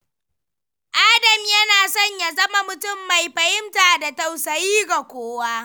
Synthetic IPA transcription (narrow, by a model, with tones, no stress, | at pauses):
ʔaː˦dɐ˨mjɐ˦naː˨sɔ˦ɲja˨zɐ˦ma˦mʊ˨tʊ˦˨mːa˨jɸɐ˨hɪ˦mtaː˨da˨tɐ˨wsɐ˨jiː˦ɡa˨kʷoː˦wa˦ʔ